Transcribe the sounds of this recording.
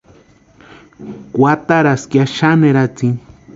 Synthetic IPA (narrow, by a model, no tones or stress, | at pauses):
kʷat̪aɾaskjaʃaneɾat͡si